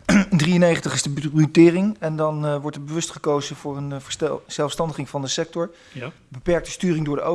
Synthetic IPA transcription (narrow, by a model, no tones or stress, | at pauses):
ɪndrijənejχəntəχɪzdəbrytɪːrɪŋɛndɑnʋɔɹtɛd̚bəʋɵstχəkowzəv̥ʊːrənz̥ɛlˠfstɑndəχɪŋvɑndəsɛk̚tɔɹ | bəpɛɹk̚tə̥styːrɪŋdʊːɹdəo